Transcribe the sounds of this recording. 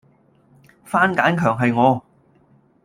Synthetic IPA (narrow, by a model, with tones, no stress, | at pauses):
faː˥nkaː˨˥nkʰœː˨˩ŋɦɐ˨jŋɔː˨˧